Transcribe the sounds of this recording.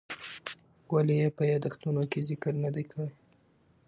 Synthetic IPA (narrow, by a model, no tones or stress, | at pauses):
walejepəjɑd̪axt̪unokezɪkəɾnad̪ajkaɽaj